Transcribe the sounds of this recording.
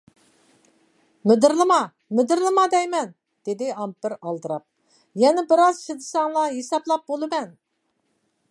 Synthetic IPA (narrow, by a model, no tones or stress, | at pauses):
mɪd̪ɪɾlˠɨmɑ | mɪd̪ɪɾlˠɨmɑd̪ɛjmɛn | d̪̥ed̪ɪɑmpɪɾɑlˠd̪ɨɾɑp̚ | jɛnɪbɪɾɑzʃid̪ɨsɑŋlˠɑjesɑplˠɑp̚bolˠɨmɛn